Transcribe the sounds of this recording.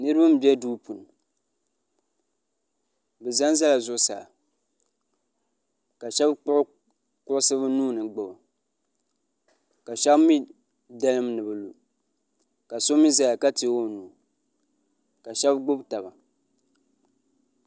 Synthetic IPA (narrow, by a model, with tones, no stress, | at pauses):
nɨ˦ɾɨ˦ba˦m˨bɛ˦duː˦pu˨nɨ˨ | bɛ˨za˦nza˦la˨zʊ˦sa̰˨ | ka˨ʃɛ˦bʊ˦ʔʊ˦ | kʊ˦ʔʊ˦sɨ˦bɨ˦nuː˦nɨ˨ɡ͡bɨ˨ba˨ | ka˨ʃɛ˦bmi˦ | da˦lɨ˦mnɨ˨bɨ˨lu˨ | ka˨so˦mi˦za˨ja˨ka˦tɪ˨˦o˦nuː˨ | ka˨ʃɛ˦bɡ͡bʊ˦bta˨ba˨